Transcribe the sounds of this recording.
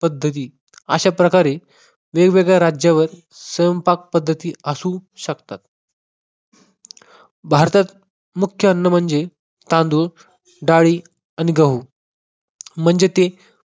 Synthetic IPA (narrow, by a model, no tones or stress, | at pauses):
pəd̪ʱːət̪̬iː | əɕapɾəkaɾe | ʋeɡʋeɡɭjaɾad͡ʑjaʋəɾ | səjəmpak̚pəd̪ʱːət̪iːəsuːɕəkt̪at̪̚ | bʱaɾt̪at̪ | mukʰjəːnːəm̤əɳd͡ze | t̪ãnd̪u | ɖaɭiː | aniɡəɦuː | m̤əɳd͡zet̪e